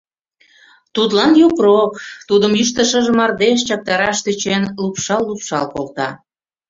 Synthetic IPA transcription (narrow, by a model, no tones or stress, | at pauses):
t̪ut̪lɑnjokrokt̪ud̪əmyʃt̪əʃəʒəmɑrd̪eʃt͡ɕɑk̚t̪ɑɾɑʃt̪et͡ɕenlupʃɑlːupʃɑlkolt̪ɑ̰